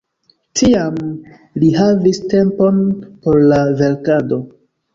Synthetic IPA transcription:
tʰiam | liɦaviste̞mpo̞npo̞ɾlave̞ɾkado̞

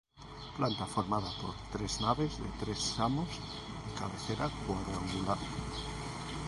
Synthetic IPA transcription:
plant̪afoɾmaðapo̰ɾt̪ɾeznaβezðḛt̪ɾesːamoz | ekaβeθeɾakwaðɾaŋɡulaɾ

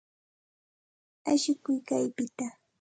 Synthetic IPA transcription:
aʃɪkʊjkajpɪt̪a

